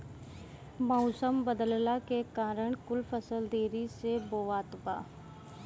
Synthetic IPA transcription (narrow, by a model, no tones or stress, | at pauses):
mɔʊːsəmbəd̪əllakekaːɾəɳ̃kʊlpʰəsəld̪eːɾiseboːʋaːt̪ba̰ː